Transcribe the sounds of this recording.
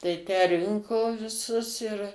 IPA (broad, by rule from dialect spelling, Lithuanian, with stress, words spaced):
tɐɪ ˈtʲæː ˈrʲɪŋkoː ʋʲɪˈsʊs ɪr